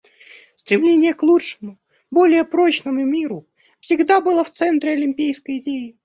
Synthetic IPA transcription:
st̪ɾʲɪmlʲenʲɪjəklˠuʂɨmʊ | bo̞lʲɪjəpɾo̞t͡ɕnəmʊmʲiɾʊ | fsʲɪɡd̪abɨlˠəft̪sɛnt̪ɾʲɪɐlʲɪmʲpʲijskəjɪdʲejɪ

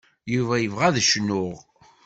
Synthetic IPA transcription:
juvæjəvʁæðʃnʊʁ

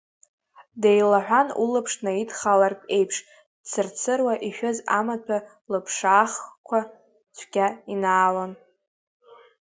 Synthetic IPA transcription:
dejlaħᶣʷanṵlɨpʰʂnaidχalarkʼe̞jpʰʂ | dt͡sʰɨrt͡sʰɨrwaʔiʃᶣozamatʰa | lɨpʰʂaːχkʷʰa | t͡ʃʷʰɡʲainaːlan

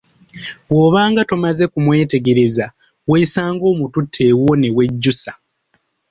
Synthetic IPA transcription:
βo̞ːβaːŋɡatomaze̞kumwe̞ːte̞ɡe̞ɾe̞za | weːsaːŋɡo̞ːmututʰːe̞ːwone̞we̞ɟːusa

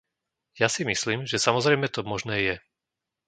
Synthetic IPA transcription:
jasimisliːmʒɛsamɔzɾɛjmɛt̪ɔmɔʒnɛːjɛ

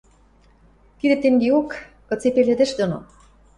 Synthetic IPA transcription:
kid̪ĕt̪ːeŋɡeok | kɤ̆t͡sepelĕd̪ĕʃd̪ono̰

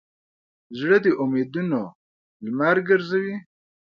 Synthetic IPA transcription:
zɽəd̪eʔʊmed̪uno | lmaɾɡəɾzawi

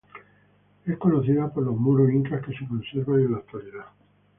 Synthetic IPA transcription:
e̞hko̞noθiðapoɾlo̞ɦmuɾuiŋkahke̞sekonse̞ɾβanenlakt̪waliða

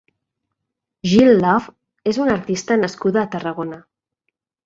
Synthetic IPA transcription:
ʒilːɔf | ezunəɾt̪ist̪ənəskuðaːt̪ərəɣ̞onə

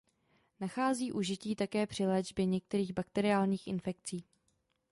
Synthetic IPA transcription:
naxaːziːʔuʒɪciːt̪akɛːpr̝̥ɪlɛːd͡ʒbjɛɲɛk̚t̪ɛɾiːɣbakt̪ɛɾɪaːlɲiːxʔɪnfɛk̚t͡siː

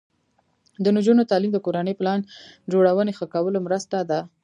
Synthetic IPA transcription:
d̪ənd͡ʒunot̪ɑlimd̪əkoɾanəjplɑnd͡ʒoɽawənexəkawəlomɾəst̪ad̪a

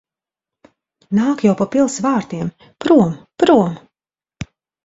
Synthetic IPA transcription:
naːkjawpapilˠsvaːɾt̪iɛm | pɾuɔmpɾuɔm

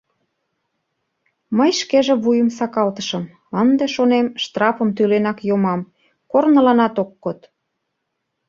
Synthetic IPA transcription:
məjʃkeʒeβujəmsɑkɑlt̪əʃə̆m | ənd̪eʃonemʃt̪rɑfə̆mt̪ylenɑkjomɑm | kornəlɑnɑt̪okːot̪

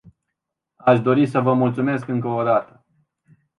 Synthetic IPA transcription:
aʃd̪o̞ɾisəvəmult̪sume̞skɨŋkəod̪at̪ə̥

